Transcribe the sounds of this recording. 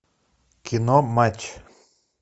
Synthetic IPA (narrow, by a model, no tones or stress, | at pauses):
kʰinomat͡ʃ